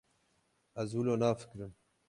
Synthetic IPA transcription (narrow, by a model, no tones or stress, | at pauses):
ɐzuloːnaːfi̥kɾɨn